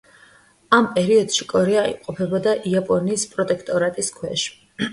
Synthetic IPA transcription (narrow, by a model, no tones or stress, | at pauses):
ampʼɛɾiɔd̪̥ʃikʼɔɾɛaḭmqʼɔpʰɛbɔd̪aʔiapʼɔniːspʼɾɔt̪ʼɛkʰt̪ʼɔɾat̪ʼiskʰwɛʃ